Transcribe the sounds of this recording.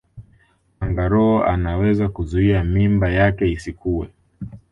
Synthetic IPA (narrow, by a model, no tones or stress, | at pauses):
aŋɡaɾɔːa̰nawɛzakuzuiamimbajakɛisikuwɛ̰